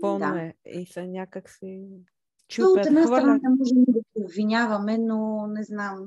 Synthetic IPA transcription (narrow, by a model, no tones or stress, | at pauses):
bnaɛisɐɲʲakɐksɛ | t͡ʃuooɛɛd̪nasɾɐnanɛmɔʒɛmd̪ɐpiob̪viɲʲavɐmɛnonɛznam